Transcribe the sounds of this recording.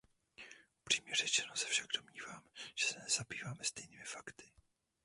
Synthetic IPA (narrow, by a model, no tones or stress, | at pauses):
upr̝̥iːmɲɛrɛt͡ʃɛnosɛ̥fʃaɡdomɲiːvaːmʒ̥ɛ̥sɛnɛzabiːvaːmɛst̪ɛjniːmɪfakt̪ɪ̥